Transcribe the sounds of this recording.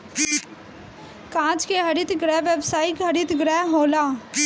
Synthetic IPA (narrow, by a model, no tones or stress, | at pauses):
kãːt͡ʃkeɦɐɽɪt̪ɡɾɛːʋebsaːɪkɦɐɽɪt̪ɡɾɛɦɦoːlaː